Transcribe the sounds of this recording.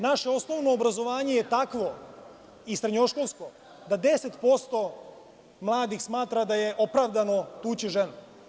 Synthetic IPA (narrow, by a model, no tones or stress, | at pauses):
naʃe̞o̞snoʋno̞ːbɾazo̞ʋaːɲe̞jet̪akʋo̞ | isɾeɲoʃkolˠsko̞ | d̪ad̪e̞set̪po̞st̪o̞ | mlˠaːd̪ixsmaːt̪ɾad̪aje̞ʔopɾaʋd̪ano̞t̪uːt͡ɕiʒenu